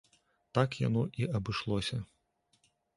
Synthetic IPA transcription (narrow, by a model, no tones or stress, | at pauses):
t̪akja̰nɔʔiɐbɨʂlˠɔsʲɐ